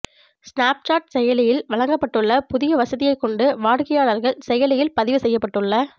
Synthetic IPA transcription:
snaːp̚t͡ʃaːʈ̚sɛjɐlɪjɪlʋɐɭɐŋɡɐpːɐʈːɯɭːɐpʊðɪjɐʋɐsɐðɪjɐɪkːɔɳɖɯʋaːɽkɐjaːɭɐɾɣɐɭsɛjɐlɪjɪlpɐðɪʋɯsɛjːɐpːɐʈːɯɭːɐ

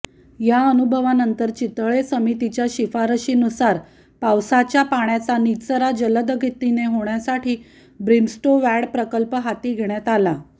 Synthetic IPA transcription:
jaənubʱəʋanənt̪əɾt͡ɕit̪ɭesəmit̪it͡ɕjaɕifaɾəɕiːnusaɾ | pawsat͡ɕjapaɳjat͡sanit͡səɾad͡ʑələd̪əɡʱit̪ːineɦoɳjasaʈʰiː | bɾinsʈoʋæɽpɾəkəlpəɦat̪iːɡʱeɳjat̪ala

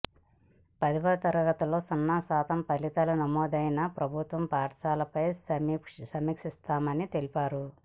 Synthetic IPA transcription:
pɐd̪ipɐd̪ɐt̪ɐɾɐɡɐt̪ulo̞ːsɐnːaːsaːt̪ʰɐmpɐlit̪ɐlunɐmɔːd̪ɐjnɐpɾɐbʱut̪ʋɐmpaːʈʂaːlɐpɐjssɐmiːkʂist̪aːmɐnit̪e̞lipaːɾu

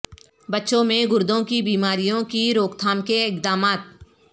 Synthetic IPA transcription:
bətːʃõmẽɡʊɾd̪õkibiːmaːɾijõkiɾoːkt̪ʰaːmkeɪk̚d̪aːmaːt̪̚

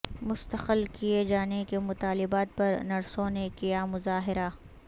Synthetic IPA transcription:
mʊst̪əqəlkijed͡ʒaːnekemʊt̪aːlɪbaːt̪̚pɐɾnɐɾsõnekijamʊzaːɦɪɾa

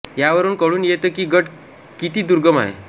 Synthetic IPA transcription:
jaʋəɾuːnkəɭuːnjet̪əkiːɡəʈ | kit̪iːd̪uɾɡəma̰ɦḛ

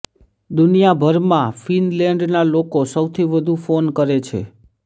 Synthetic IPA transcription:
d̪unijabʱəɾmãfinlɛ̃ɳɖnalokosəwt̪ʰiʋəd̪ʱũfonkəɾet͡ʃʰḛ

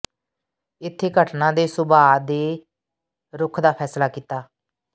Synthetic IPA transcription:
ɪt̪ʰːeːɡʱəʈnãːd̪eːsʊbaːd̪eː | ɾʊkʰd̪aːpʰɛːslaːkiːt̪aː

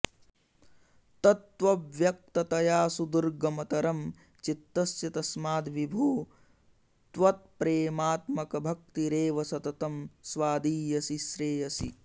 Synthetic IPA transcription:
t̪ɐt̪ʋɐʋʋjɐk̚t̪ɐt̪ɐjaːsud̪uɾɡɐmɐt̪ɐɾɐm | t͡ʃit̪ːɐsjɐt̪ɐsmaːd̪ʋibʱuː | t̪ʋɐt̪̚pɾeːmaːt̪mɐkɐbʱɐk̚t̪iɾeːʋɐsɐt̪ɐt̪ɐmsʋaːd̪iːjɐsiʃɾeːjɐsḭ

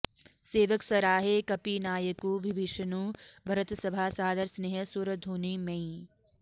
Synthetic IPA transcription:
seːʋəksɐɾaːɦekɐpinaːjəkuʋɪʋiʃɐnuːbʱɐɾət̪sɐbʱaːsaːd̪ɐɾsneːɦɐsuɾəd̪ʱuːnimẽĩ

